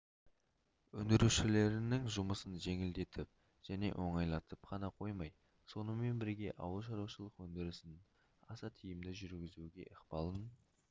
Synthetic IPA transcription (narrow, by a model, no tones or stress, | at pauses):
wɵ̰nd̪ɪɾuʃɪle̞ɾɪnɪŋʒʊməsənʒe̞ŋɪld̪e̞t̪ʰɪp̚ | ʒ̥æne̞̰ʔwʔo̞ɴɑjlˠɑt̪əpqʰɑnɑqʰo̞jmɑj | so̞nəme̞nbɪɾɡʲe̞ʔɑ̰wəlˠʃɑɾuwʃəlˠəqwɵnd̪ɪɾɪsɪn | ɑsɑt̪ʰijɪmd̪ɪʒʏɾɡʲɪzuɡʲe̞̰ʔəqpɑlˠən